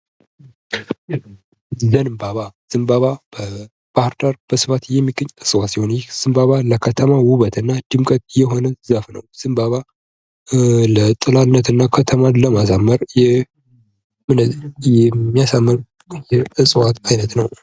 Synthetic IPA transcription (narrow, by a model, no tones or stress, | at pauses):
zənɨmbaβaz̥ɨmbaβab̥ə | b̥ahɾd̪aɾb̥əsɨfat̪jɛmːiɡəɲːɨsʼɨwasiho̞njɛz̥ɨmbaβaləkʰət̪ʰəmawuβət̪ʰɨnːad̪̥ɨmkʼət̪̚jɛɦo̞nəzəfnəwz̥ɨmbaβa | lət̪ʼɨlanːət̪ɨnːakʰət̪ʰəmaləmas̬amːəɾjɛ | mɨnəjɛmːijasamːɨɾ | jɛɨsʼwat̪ajnət̪nəw